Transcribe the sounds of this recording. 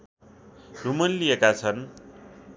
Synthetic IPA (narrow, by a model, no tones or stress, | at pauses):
dumʌnlijekat͡sʰʌn